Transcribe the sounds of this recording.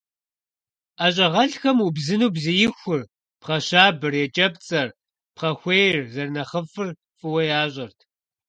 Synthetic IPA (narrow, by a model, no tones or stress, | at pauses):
aːɕ̬ʼɐʁɐɬxɐmubzɨnuːbzɨjɪxʷʊr | pχɐɕaːbɨrjɛt͡ʃʼɐpt͡sʼɐr | pχɐxʷejrzɐrnɐχəfɨr | fɨwɐjaːɕʼɐrtʰ